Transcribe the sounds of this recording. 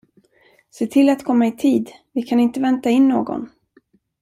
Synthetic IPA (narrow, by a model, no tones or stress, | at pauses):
seːt̪ʰɪlat̪kʰɔmːaɪt̪ʰiːd̪vɪkʰanɪnt̪əvɛnt̪aɪnːoːɡɔ̰n